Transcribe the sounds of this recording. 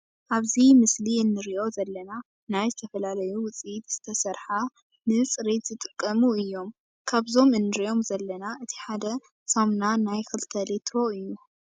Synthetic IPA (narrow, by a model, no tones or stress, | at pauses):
ʔaβzimɨsliɨnːɨɾiʔo̞zɐlːɐna | najzɨt̪ʰɐfɐlalɐjuwʊt͡sʼijit̪z̥ɨt̪ʰɐsɐɾħa | nɨt͡sʼɨɾet̪zɨt̪ʼɨkʼːɐmuɨjːo̞m | kʰaβzo̞mɨnːɨɾijo̞mzɐlːɐnaʔɨt̪ʰi̥ħad̪ɐ | sɐmnanajxɨlt̪ʰɐlet̪ʰɾo̞ɨjːu